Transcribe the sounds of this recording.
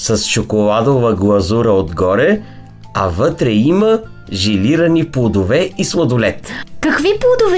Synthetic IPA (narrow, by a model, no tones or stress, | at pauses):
sɐst͡ʃokolˠad̪ovɐɡlˠɐzuɾəod̪ɡɔɾɛ | ɐvɤt̪ɾɛimɐ | ʒiliɾɐniplˠod̪ovɛislˠɐd̪olɛt̪kɐkviplˠod̪ov